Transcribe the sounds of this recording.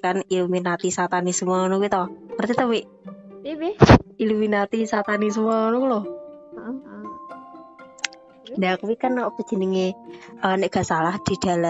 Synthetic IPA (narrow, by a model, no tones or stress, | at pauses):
kaniluminat̪isat̪anismənɔkuit̪ɔhmərt̪it̪əwiʔ | iluminat̪isat̪anis̬mənukuloh | ndakəwikənopəd̥ʒ̥ə̤niŋeəneʔɡ̥a̤salahd̪̥i̤d̪̥a̤lə